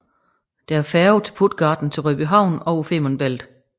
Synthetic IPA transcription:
d̥ææɐfæɐut͡sʰe̝̥pʰud̥ɡ̥ɑ̈ːd̥n̩t͡sʰe̝lʁœb̥iɦɑ̈ʊ̰nɒ̽ʊfe̝̰ːmɐnb̥el̰d̥

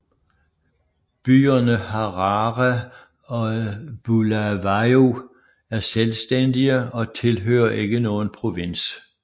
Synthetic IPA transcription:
b̥y̰ːɐnəhɑ̈ʁɑʁæ | ɒ̽b̥ulæʋɑo | æɐselsd̥end̥iəɒ̽t͡sʰe̝lɦø̰ːɐʔe̝ɡ̥ənɔːn̩pʰʁo̝ʋen̰s

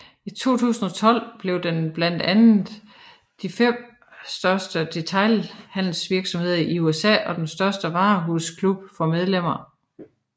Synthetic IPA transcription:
it͡sʰo̝̰ːt͡sʰṵːsn̩ɒ̽t͡sʰɒ̽l̰b̥le̝ʊd̥enb̥læn̰d̥ænð̩ˠ | d̥ifem̰ | sd̥ɶɐsd̥əd̥e̝t͡sʰɑ̈ɪlhæn̰l̩sʋiɐɡ̥sɒ̽mhe̝ð̞̰ˠʔiuesɛ̰ːʔɒ̽d̥ensd̥ɶɐsd̥əʋɑ̈ːɦuskʰlub̥fɒ̽með̞ˠlem̰ɐ

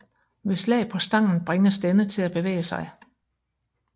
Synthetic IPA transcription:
ʋe̝slɛ̰ɪpʰɒ̽sd̥ɑ̈ŋ̰n̩b̥ʁeŋɐsd̥enət͡sʰe̝læb̥e̝ʋḛːɪəsɑ̈ɪ

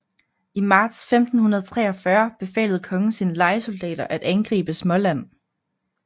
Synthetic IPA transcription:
imɑ̈ːd̥sfemd̥n̩hunɐð̞ˠt͡sʰʁɛ̰ːɒfɶɐb̥e̝fɛ̰ːlð̩ˠkʰɒ̽ŋəsiːnəlɑ̈ɪəso̝ld̥ɛ̰ːd̥ɐʔæd̥ænɡ̥ʁḭːb̥əsmɒ̽læn̰

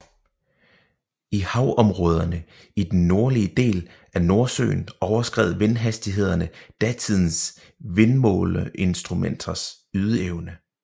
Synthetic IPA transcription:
ihɑ̈ʊʔɒ̽mʁɔ̽ːð̞ˠɐnə | id̥enːo̝ɐliəd̥e̝̰ːl | æɐno̝ɐsø̰ːnɒʊɐsɡ̥ʁɛ̰ːð̩ˠʋenɦæsd̥iɦe̝ð̞ˠɐnəd̥æt͡sʰið̞̰ˠn̩s | ʋe̝nmɔ̰̽ːlʔe̝nsd̥ʁumen̰d̥ɐs | yð̞ˠəeʊnə

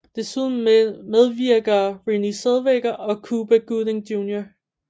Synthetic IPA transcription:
d̥e̝suð̰ˠn̩með̞ˠʋiɐ̰ɡ̥ɐʁiniseðˠʋeɡ̥ɐʔɒ̽kʰuːb̥əɡ̥uðˠeŋd̥juːnjɐ

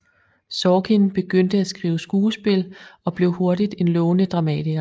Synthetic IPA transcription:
sɒːkʰinb̥e̝ɡ̥øn̰d̥əæsɡ̥ʁḭːʊəsɡ̥uːsb̥e̝lɒ̽b̥le̝ʊho̝ɐdid̥e̝nlɔʊnəd̥ʁɑ̈mɛ̰ːdʰiɡ̥ɐ

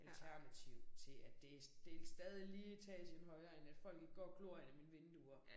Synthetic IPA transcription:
ʔælt͡sʰæɐnæt͡sʰiʊt͡sʰe̝æd̥e̝d̥elsd̥ɛːð̞ˠiliːt͡sʰɛ̰ːsi̥enɦɒ̽ɪɐenæd̥fɒ̽l̰ɡ̥e̝ɡ̥ɡ̥ɒ̰ːɡ̥lo̝ːɐ̰ḛnæminʋe̝nd̥uɐ

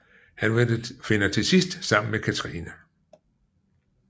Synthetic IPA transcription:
hænfe̝nɐt͡sʰe̝sisd̥sɑ̈m̰n̩mekʰæt͡sʰʁiːnæ

